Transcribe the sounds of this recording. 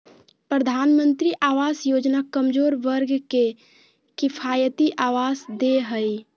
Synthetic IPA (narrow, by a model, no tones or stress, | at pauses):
pɾəd̪ʱaːnmənt̪ɾiʔaʋasjod͡ʒnakəmd͡ʒoːɾʋəɾɡke | kɪpʰajət̪iʔaʋasd̪eɦəj